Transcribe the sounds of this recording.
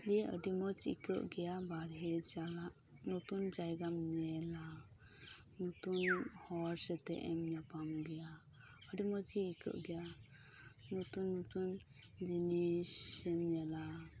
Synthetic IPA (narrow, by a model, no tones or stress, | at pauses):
liə̰dimɔd͡ʒḭkəʔɡɛjabaɾɦɛt͡ʃalaʔ | nut̪und͡ʒajɡamɲɛla | nut̪unhɔɾsɛt̪ɛ̰ʔɛmɲapamɡɛja | ədimɔd͡ʒiːkʰɯ̰ʔɡɛja | nut̪unːut̪un | d͡ʒinisɛmɲɛla